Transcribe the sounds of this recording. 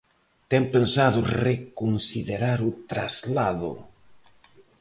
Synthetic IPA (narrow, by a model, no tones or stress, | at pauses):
t̪ɛŋpensaðʊrekonsiðeɾaɾʊt̪ɾa̰zlaðʊ̰